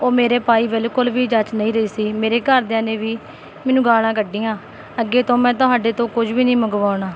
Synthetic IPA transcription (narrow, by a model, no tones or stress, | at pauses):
oːmeːɾeːpaːiːbɪlkʊlʋiːd͡ʒət͡ʃnəĩːɾəiːsiːmeːɾeːkəɾd̪eãːneːʋiː | mɛːnũːɡaːlãːkəɖːĩːãː | əɡːeːt̪õːmɛ̃ːt̪ʊɦaːɖeːt̪õːkʊd͡ʒʋiːnəĩːməɡʋaːʊɳaː